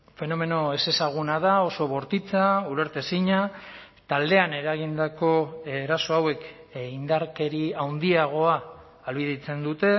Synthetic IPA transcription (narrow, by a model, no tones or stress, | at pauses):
fe̞no̞me̞no̞e̞se̞saɣ̞unað̞ao̞so̞βo̞ɾt̪it͡sauɾe̞ɾt̪esiɲa | t̪ald̪e̞ane̞ɾaɣ̞ind̪ako̞eɾaso̞awe̞k | ind̪aɾke̞ɾiawnd̪iaɣ̞o̞aː | lβiðit͡se̞nd̪ut̪e̞